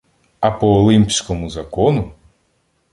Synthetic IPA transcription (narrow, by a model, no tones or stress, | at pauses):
ɐpɔːlˠimʲpʲsʲkɔmʊzɐkɔnʊ